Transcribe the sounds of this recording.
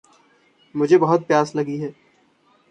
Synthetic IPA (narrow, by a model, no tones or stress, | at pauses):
mʊd͡ʒʱebɐɦʊt̪̚pjaːslɐɡiɦɛː